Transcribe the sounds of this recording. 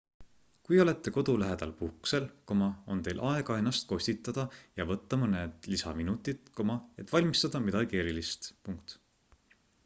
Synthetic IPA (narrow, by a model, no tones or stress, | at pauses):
kujo̞le̞t̪ˑːe̞ko̞d̪̥ulæɦed̪̥ɑ̰lpuhkse̞lkomɑo̞̰nt̪e̞jlʔɑe̞ɡɑenːɑst̪̚ko̞sʲt̪it̪ːˑɑd̪̥ɑjɑvɤt̪ːɑmɤned̪̥lisɑminut̪ːˑit̪ko̞mɑe̞t̪ːˑvɑlʲmist̪ɑd̪̥ɑmid̪ɑɡie̞ɾilist̪puŋkt̪